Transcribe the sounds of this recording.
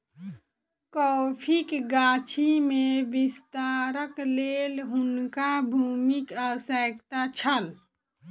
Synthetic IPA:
kɔpʰikɡaːt͡ʃʰimẽbist̪aːɾəkleːlɦʊnkabʱuːmikəwsəkt̪at͡ʃʰəl

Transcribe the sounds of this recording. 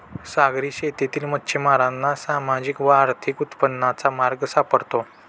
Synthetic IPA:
saɡɾiːɕet̪et̪iːlmət̪ːɕʰemaɾanːasamad͡ʑikʋəaɾt̪ʰikut̪pənːat͡samaɾɡsapəɽt̪o

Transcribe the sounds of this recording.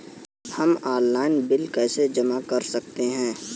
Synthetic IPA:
hɐmaːlːaːɪnbɪlkased͡ʒɐmakɐɾsɐk̚t̪eɦɛ̃ː

